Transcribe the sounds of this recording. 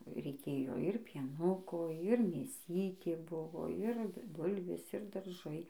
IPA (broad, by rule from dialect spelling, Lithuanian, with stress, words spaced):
rʲɛɪˈkʲeːjoː ɪr pʲiɛˈnʊkoː ɪr mʲeːˈsʲiːtʲeː ˈbʊʋoː ɪr ˈbʊlʲʋʲeːs ɪr dɐrˈʒɐɪ